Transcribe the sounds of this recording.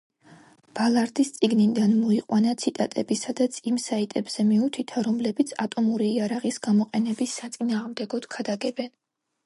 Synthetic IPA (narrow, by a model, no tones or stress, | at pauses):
b̥alˠaɾd̪ist̪sʼiɡnid̪anmɔiqʼwanat̪sʰit̪ʼat̪ʼɛbisad̪at̪sʰimsait̪ʼɛbz̥ɛmiut̪ʰit̪ʰaɾɔmlɛbit̪sʰat̪ʼɔmuɾiːaɾaʁisɡamɔqʼɛnɛbisːat̪sʼinaːʁmd̪ɛɡɔd̪̥ɡʰad̪aɡɛbɛn